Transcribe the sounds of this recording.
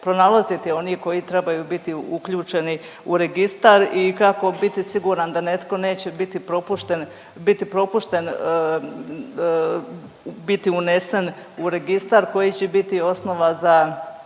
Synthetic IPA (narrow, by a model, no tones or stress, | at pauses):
pɾo̞nalˠazit̪io̞niko̞jit̪ɾe̞bajuːbit̪iukʎuːt͡ʃe̞ni | uɾe̞ɡist̪aɾikako̞bit̪isiɡuːɾand̪ane̞t̪ko̞ne̞ːt͡ɕebit̪ipɾopuʃt̪en | bit̪ipɾo̞puʃt̪e̞n | bit̪iune̞sen | uɾe̞ɡist̪aɾko̞jit͡ɕebit̪io̞sno̞ʋaza